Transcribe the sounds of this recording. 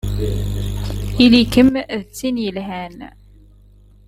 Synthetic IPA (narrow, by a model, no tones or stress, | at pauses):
ilikəmðət͡sːinjəlɦæn